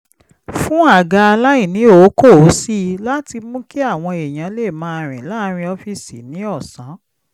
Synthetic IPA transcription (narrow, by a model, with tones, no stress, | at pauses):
fũ˦a˦˨ɡa˧a˧la˦i˦˨nĩ˨˦o˨˦ko˦˨˦si˦˧la˦ti˧mũ˦ki˦a˦˨w̃ɔ̃˧e˨j̃ã˨˦le˦˨mã˦˧ɾ̃ĩ˨la˦˧ɾ̃ĩ˧ɔ˧fi˦˨sḭ˨nĩ˨˦ɔ˦˨sã˨˦